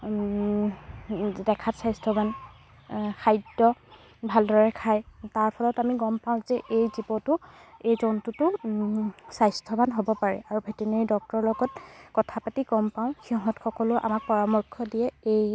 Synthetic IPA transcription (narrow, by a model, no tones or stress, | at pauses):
dɛkʰatsajstʰɔban | kʰajdɔ | bʱaldɔɹɛkʰajtaɹpʰɔlɔtamiɡɔmpaʊ̃zɛʔejzibɔtʊejzɔntutʊ | sajstʰɔbanɦobɔpaɹɛ̰ʔaɹubʱetineidɔk̚tɔɹlɔɡɔtkɔtʰapatiɡɔmpaʊ̃xiɔɦɔ̃txʰɔkɔlʊʔa̰mak̚pɔɹamɔɹkʰːɔdijɛej